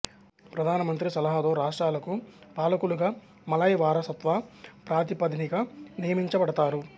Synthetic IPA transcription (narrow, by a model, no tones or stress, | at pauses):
pɾɐd̪ʱaːnɐmɐnt̪ɾisɐlɐɦat̪o̞ːɾaːʂʈɾaːlɐkupaːlɐkuluɡaː | mɐlajʋaːɾɐsɐt̪ʋapɾaːt̪ipɐd̪inikɐnijɐmiɲt͡ʃɐbɐɽɐt̪aːɾu